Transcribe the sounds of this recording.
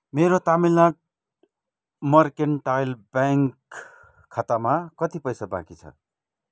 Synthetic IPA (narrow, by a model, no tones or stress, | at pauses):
meɾot̪amilak̚ | mʌrkeɳʈajlbjaŋkʰː | at̪amakʌt̪ipʌjsabã̰kit͡sʰʌ̰